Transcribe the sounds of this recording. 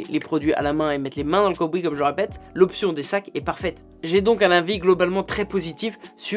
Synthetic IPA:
lepχɔd̪ɥiʔa̰lamɛ̃emɛt̪lemɛ̃d̪ɑ̃ləkɔbʁikɔmʒələʁepɛt̪lɔpsjɔ̃d̪esakɛpaʁfɛt̪ | ʒɛd̪ɔ̃kɛ̃nɛ̃viɡlɔbalmɑ̃t̪χɛpozit̪ifsy

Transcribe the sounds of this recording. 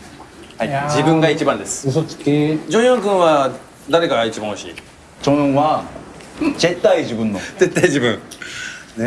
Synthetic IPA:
haid͡ʑibɯ̟̃ŋɡait͡ɕibãnd̪e̞sɨ̥ɯot͡sked͡ʑõɰ̃jõŋkɯ̃ɰ̃βa | d̪aɾe̞kaɡait͡ɕibãhoɕḭː | t͡ɕõβa | ze̞t̪ːaiʑibɯ̟̃nːo̞ze̞t̪ːaid͡ʑibɯ̟̃ŋ

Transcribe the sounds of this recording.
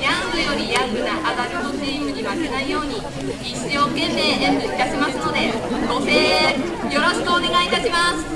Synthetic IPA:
jãmbɯ̟jo̞ɾʲijakɯ̟nakad̪akɯt̪o̞seimɯ̟ɲ̟iβasenaijo̞ːɲ̟i | it͡sɨjo̞ːkẽ̞mːe̞ːd̪eɯ̟it̪aɕimasɨno̞d̪e̞oseːjo̞ɾo̞ɕi̥kɨoːne̞ɡait̪aɕimasɨ̥

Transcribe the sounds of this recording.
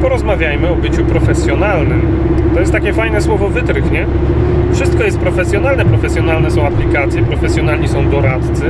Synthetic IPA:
pɔɾɔzmavʲjajmɘɔbɘt͡ɕupɾɔfɛsʲjɔnalnɘm | t̪ɔjɛst̪ːakʲɛfajnɛswɔvɔvɘt̪ɾxɲɛ | fʂɨst̪̚kɔjɛst̪̚pɾɔfɛsʲjɔn̪alnɛpɾɔfɛsjɔnalnɛsɔ̃w̃aplʲikat̪sʲjɛpɾɔfɛsʲjɔnalɲisɔ̃w̃d̪ɔɾat̪tt̪sɘ

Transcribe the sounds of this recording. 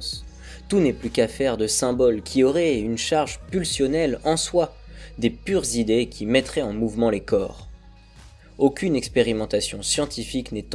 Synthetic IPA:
s | t̪unɛplykafɛʁd̪əsɛ̃bɔlkʲʰiɔʁɛynʃaʁʒpylsjɔnɛlɑ̃swad̪epyʁzid̪ekʲʰimɛt̪χɛɑ̃muvmɑ̃lekɔ̰ːʁ | okʲynɛkspeʁimɑ̃t̪asjɔ̃sjɑ̃t̪ifiknɛt̪

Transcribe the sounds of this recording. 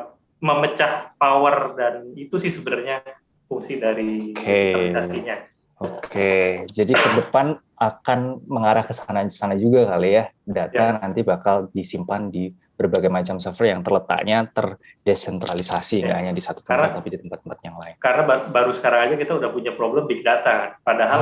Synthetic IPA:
məmət͡ʃahpawərdanit̪usɪhsəbənərɲa | fuŋsidaɾiokʰeasasiɲa | okʰed͡ʒadikədəpan | ʔakanməŋaɾahkəsanakə̥sanad͡ʒuɡakalijadat̪anant̪ibakaldisimpandi | bərbaɡajmat͡ʃamsɛfərjaŋt̪ərlət̪a̰ʔɲat̪ər | desɛnt̪ɾalisasiŋɡaʔhaɲadisat̪u̥t̪əat̪apidit̪əmpat̪̚ːəmpat̪̚jaŋlaɪnkarnababaɾusə̥kaɾaŋad͡ʒakit̪audahpuɲapɾoblɛmbikədat̪anpadaɦal

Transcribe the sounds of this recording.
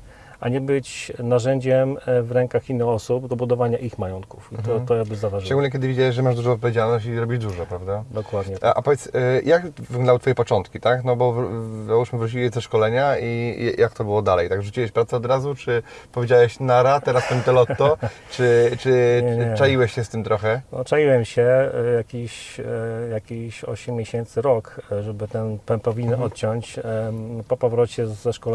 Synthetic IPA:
a̰ɲɛbɘt͡ɕnaʐɛɲd͡ʑɛmvɾɛŋkaxinːɨxɔsubd̪ɔbud̪ɔvaɲaʔixmajɔnt̪̚ku̥fit̪ɔt̪ɔjaɡbɘzavaʐt͡ɕɛ̃ɡulɲɛkʲɛd̪ɘvʲid͡ʑawɛɕʐɛmaʐd̪uʐɔ̃ɔt̪̚pɔvʲed͡ʑalnɔɕt͡ɕizɾɔbʲiʐd̪uʐɛpɾavd̪ad̪ɔkwad̪ɲɛʔa̰pɔvʲɛt̪sjakvɡd̪d̪awt̪fɔjɛpɔt͡ʂɔnt̪kʲit̪aknɔbɔvɾauʂmɘvɾut͡ɕilizɛʂkɔlɛɲaijakt̪ɔbɘwɔd̪alɛjt̪aɡʐut͡ɕiwɛɕpɾat̪sɛɔd̪ɾazut͡ʂɘ | pɔvʲjed͡ʑawɛɕnaɾat̪ɛɾaspɛnt̪ɛlɔt̪ːɔt͡ʂɘt͡ʂɘɛt͡ʂajiwɛɕɕɛst̪ɘmt̪ɾɔxɛnɔ̰t͡ʂajiwɛmɕɛjakʲiɕ | jakʲiɕɔ̰ɕɛmʲːjeɕɛnt̪sɘɾɔkʐɛbɘt̪ɛnpɛmpɔvʲiɲɛnɔt̪̚t͡ɕɔ̃ɲt͡ɕ | pɔpɔvɾɔt͡ɕɛzːɛʂkɔlɛ

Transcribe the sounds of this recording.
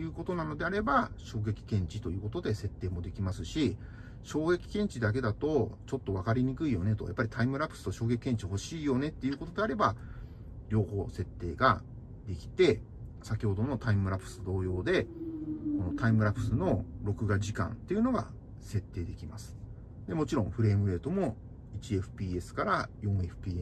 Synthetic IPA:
jɯ̟ːko̞t̪o̞nano̞d̪e̞aɾe̞baɕo̞ːɡe̞kʲi̥kẽ̞ɲ̟t͡ɕit̪o̞jɯ̟ːko̞t̪o̞d̪e̞se̞t̪ːe̞ːmo̞d̪e̞kʲimasɨɕi | ɕo̞ːɡe̞kʲi̥kẽ̞ɲ̟t͡ɕid̪ak̬e̞d̪at̪o̞t͡ɕo̞t̪ːo̞βakaɾʲiɲ̟ikɯ̟ijo̞ne̞t̪o̞̰ja̰pːaɾʲi̥t̪ʰaimɯ̟ɾapɯ̥sɨ̥t̪o̞ɕoːɡe̞kʲikẽ̞ɲ̟t͡ɕiɦo̞ɕiːjo̞ne̞t̪ːe̞jɯ̟ːko̞t̪o̞d̪e̞aɾe̞ba | ɾʲo̞ːho̞ːse̞t̪ːe̞ːɡa̰ | d̪e̞kʲi̥t̪e̞ | sakʲiho̞d̪o̞no̞t̪aimɯ̟ɾapɯ̥sɨd̪o̞ːjo̞ːd̪e̞ | ko̞no̞t̪aimɯ̟ɾapɯ̟sɨno̞ɾo̞kɯ̟ɡaʑikã̰nt̪e̞jɯ̟no̞ɡa̰ | se̞t̪ːe̞ːd̪e̞kʲima̰sɨ̥ | d̪e̞mo̞t͡ɕiɾõ̞ɸɯ̟ɾe̞ːmɯ̟e̞ːt̪o̞mo̞ | it͡ɕieɸɯ̟̥pʲiːe̞sɨ̥kaɾajõ̞ɰ̃e̞ɸɯ̥pʲiːe

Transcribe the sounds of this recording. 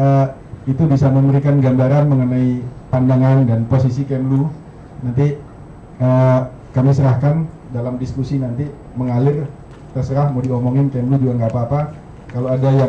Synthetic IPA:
ə | it̪ubisaməməɾikanɡambaɾanməŋənaipandaŋandanposisikɛmlu | nant̪i | ə | kamisəɾahkan | dalamdiskusinant̪i | məŋalɪr | t̪ərsəɾahmdiomoŋɪnkɛmlud͡ʒuɡaŋɡaːpaːpa | kaloadaja

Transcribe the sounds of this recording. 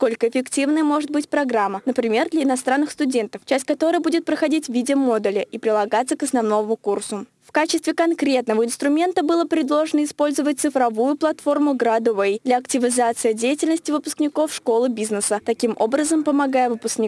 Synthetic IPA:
sko̞lʲkəɪfʲɪktʲivnəjəmo̞ʐɨt̪̚bɨtʲpɾɐɡɾamːənəpɾʲɪmʲe̞rd̪lʲɐɪnɐs̬t̪ɾanːɨxst̪ʊdʲe̞nt̪əft͡ɕæsʲtʲkɐt̪o̞ɾəjəbudʲɪt̪̚pɾəxɐdʲitʲvʲidʲɪəmo̞d̪ɨlʲɪʔipɾʲɪlˠɐɡat̪səkɐsnɐvno̞vəmʊkursʊ | fkat͡ɕɪst̪vʲɪkɐnkɾʲe̞t̪nəvəɪnst̪ɾʊmʲe̞nt̪əbɨlˠəpɾʲɪd̪lˠo̞ʐɨnəɪspo̞lʲzəvət̚ʲt̪sɨfɾɐvujʊplˠɐt̪fo̞rmʊɡɾad̪ʊvejd̪lʲɐɐktʲɪvʲɪzat̪sɨjədʲejɪtʲɪlʲnəsʲtʲɪvɨpʊ̥sknʲɪko̞fʂko̞lˠɨbʲiznəsət̪ɐkʲimo̞̰bɾəzəmpəmɐɡajəvɨpʊsknʲɪk

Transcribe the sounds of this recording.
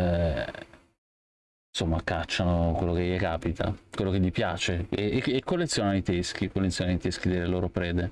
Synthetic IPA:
nsomːakat͡ʃːanokwelːokejekaːpit̪ʰa̰kwelːokeʎipjaːt͡ʃeeːkːolːet̪sːjoːnanoit̪esk̟ikolːet̪sːjonanoit̪esk̟id̪elːeloːɾopɾɛːd̪e

